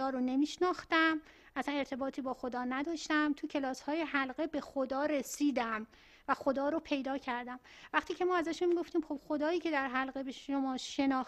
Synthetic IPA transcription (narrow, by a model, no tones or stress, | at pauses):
ɒːɾone̞miːʃnɒːxt̪æm | ʔæsæne̞ɾt̪ʰe̞bɒːt̪ʰiːbɒːxo̞d̪ɒːnæd̪ɒːʃt̪æmt̪ʰucʰe̞lɒːshɒːje̞ɦælɢe̞be̞xod̪ɒːɾe̞siːd̪æm | væxo̞d̪ɒːɾopʰe̞jd̪ɒːcʰæɾd̪æmvæχt̪iːcʰe̞mɒːæzæʃunmiɡo̞ft̪iːmxo̞b̥xo̞d̪ɒːjiːcʰe̞d̪æɾɦælɣebeʃomɒːʃe̞nɒːx